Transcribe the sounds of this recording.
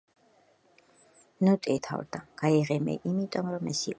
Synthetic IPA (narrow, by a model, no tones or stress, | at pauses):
nɔt̪ʼɛt̪ʰa̰wɾd̪aɡ̥aiʁɛmɛ̰ʔimit̪ʼɔmɾɔmɛsi